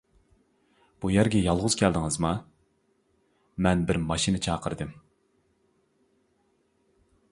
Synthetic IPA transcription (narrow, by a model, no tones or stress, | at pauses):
b̥ujæɾɡʲɛjɑlˠʁʊzkʲʰæld̪ɪŋɨzmɑ | mɛnbɪɾmɑʃinɨt͡ʃʰɑːqʰəɾɨd̪ɨm